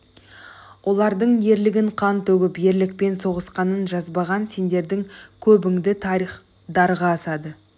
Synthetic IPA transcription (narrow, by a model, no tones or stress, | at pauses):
wʔo̞lˠɑɾd̪əɴje̞ɾlɪɡʲɪɴqʰɑnt̪ʰɵɡʲɪpje̞ɾlɪk̚pe̞nso̞ʁəsqɑnənʒɑzbɑʁɑnse̞nd̪e̞ɾd̪ɪŋkʲʰɵbɪŋd̪ɪt̪ʰɑɾiχ | d̪ɑɾʁɑːsɑd̪ə